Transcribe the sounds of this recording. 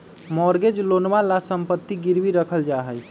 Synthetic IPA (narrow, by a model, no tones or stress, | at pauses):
mɔɾɡed͡ʒlonʋalasəmpət̪ːiɡiɾbiɾəkʰəld͡ʒaɦəj